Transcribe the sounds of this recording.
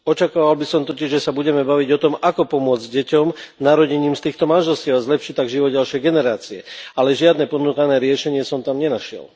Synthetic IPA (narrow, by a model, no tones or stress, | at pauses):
ɔt͡ʃakaːʋalbisɔmt̪ɔciʒʒɛsabuɟɛmɛbaʋiɟɔt̪ɔmakɔpɔmʊɔd͡zɟɟɛcɔmnaɾɔɟɛɲiːmst̪iːxt̪ɔmanʒɛlsciaʊazlɛpʃict̪ːaɡʒiʋɔd̪̚ɟalʃɪjɛjɡɛnɛɾaːt͡siɛalɛʒɪad̪nɛpɔd̪nuːkanɛːɾɪɛʃɛɲɪɛsɔmt̪amɲɛnaʃɪɛ̰l